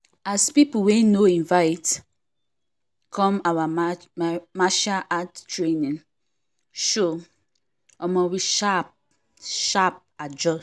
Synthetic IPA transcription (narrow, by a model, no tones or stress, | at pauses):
aspipuwɛ̃noĩɱvaɪt | kʰɔ̃mawa | maʃaʔattɹenĩn | ʃo | ɔmɔwiʃap̚ | ʃap̚ad͡ʒɔ